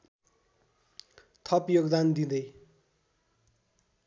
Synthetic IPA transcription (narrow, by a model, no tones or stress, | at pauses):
t̪ʰʌpjoɡd̪and̪id̪ʌj